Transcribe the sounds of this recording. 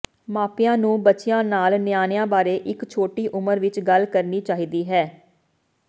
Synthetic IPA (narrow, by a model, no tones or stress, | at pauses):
maːpɪjãːnũːbətːt͡ʃɪjãːnaːlnɪjaːnɪjãːbaːɾeːʔɪkt͡ʃʰoːʈiːʔʊməɾʋɪt͡ʃɡəlkəɾniːt͡ʃaːɦiːd̪iːɦɛː